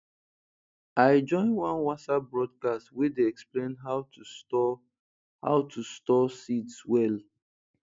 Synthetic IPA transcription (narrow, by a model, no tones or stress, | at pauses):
aɪd͡ʒɔ̃ɪ̃nwãnwasabɹɔd̚kastwedeɛksplẽnɦaʊtuɔ | ha̰ʊtʰustɔsitswɛl